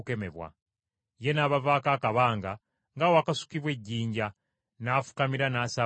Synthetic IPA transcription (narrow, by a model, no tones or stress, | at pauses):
keme̞̰βwa̰ | je̞naːβavaːkaːkaβaːŋɡa | ŋɡawakasu̥kiβwe̞ɟːiːɲɟa | naːfu̥kamiɾanaːsa